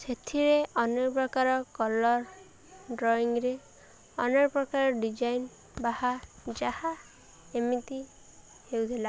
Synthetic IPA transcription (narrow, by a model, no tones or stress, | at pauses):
sʰet̪ʰiɾeɔnepɾɔkaɾɔkɔlɔɾ | ɖɾɔiŋɾe | ɔneɾpɾɔkaɾɔɖid͡ʒajn | bahad͡ʒaha | emit̪i | hewt̪ʰila